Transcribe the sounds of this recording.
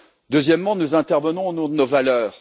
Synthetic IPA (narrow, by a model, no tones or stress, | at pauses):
d̪øzjɛmːɑ̃nuzɛ̃t̪ɛʁvənɔ̃ːnɔ̃d̪ənovalœːʁ